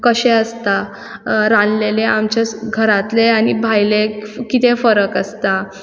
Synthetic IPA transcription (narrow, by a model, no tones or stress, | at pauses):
kəɕɛ̃əst̪a | ɾanleleamt͡ɕaɡʱəɾat̪leañibʱajlekit̪efəɾəkəst̪a